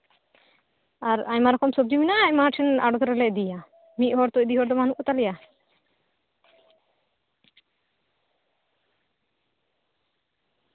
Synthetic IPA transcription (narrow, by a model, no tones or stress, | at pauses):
aɾaɲmaɾɔkɔmsɔb̚d͡ʒiminaaɲmaʈʰɛna̰ɖɔt̪ɾɛlɛʔd̪ija | mit̪̚hɔɾt̪ɔcd̪iɦɔɾd̪ɔmanuʔɔt̪alɛja